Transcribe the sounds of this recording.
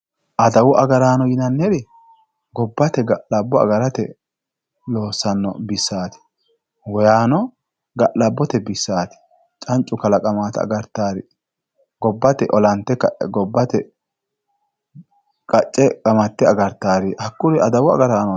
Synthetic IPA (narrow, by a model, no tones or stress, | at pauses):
ʔɐd̪ɐwʊʔɐɡɐɾaːnɔjɪnɐnːɛɾɛ | ɡɔbːɐt̪ɛɡɐʔlɐbːɔɐ̰ɡɐɾɐt̪ɛ̰ | loːsːɐnːɔ̰bɪsːaːt̪ɪ̥ | wɔjaːnɔ | ɡɐʔlɐbːɔt̪ɛbɪsːaːt̪ɪ̥ | t͡ʃʼɐnt͡ʃʼːʊkɐlɐkʼɐmaːt̪ɐ̰ɡɐɾt̪ːaːɾɪ | ɡɔbːɐt̪ɛʔɔlɐnt̪ːɛkːɐɡɔbːɐt̪ɛ | kʼɐt͡ʃʼːɛkʼɐmɐt̪ːɛɐɡɐɾt̪ːaːɾɪhɐkːʊɾɛʔɐd̪ɐwʊɐ̰ɡɐɾaːnɔ